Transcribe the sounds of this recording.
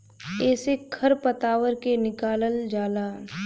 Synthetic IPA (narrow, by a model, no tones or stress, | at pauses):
ɛːsekʰɐɾpət̪aːwəɾkenɪkaːləld͡ʒaːlaːn